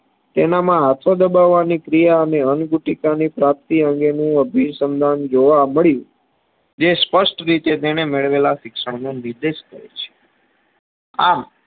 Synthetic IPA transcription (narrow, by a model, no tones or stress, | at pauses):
t̪enamãɦat̪ʰod̪əbaʋːanikɾijaəneənɡuʈikanipɾap̚t̪iəŋɡenũəbʱiɾsənd̪ʱand͡ʒoʋaməɭjũ | d͡ʒespəsʈɾit̪et̪enemeɭʋelaʃɪkʃəɽnonɪɾd̪eʃkəɾḛt͡ʃʰe̥ | am